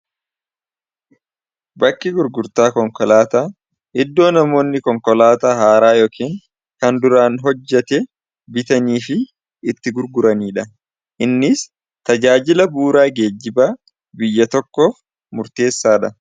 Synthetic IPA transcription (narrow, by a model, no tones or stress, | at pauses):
bɐkːɪɡʊɾɡʊɾt̪aːkɔŋkɔlaːt̪aː | ʔɪd̪ːo̞ːnɐmo̞ːnːɪkɔŋkɔlaːt̪aːhaːɾaːjoːkiːŋ | kɐnd̪ʊɾaːnɦɔd͡ʒːɛt̪ɛ | bɪt̪ɐniːfɪː | t̪ːɪɡʊɾɡʊɾɐniːᶑɐ | ʔɪnːɪs | t̪ɐd͡ʒaːd͡ʒɪlɐbuːɾaːɡe̞ːd͡ʒːɪbaː | bɪjːɐt̪ɔkːoːf | mʊɾt̪e̞ːsːaːᶑɐ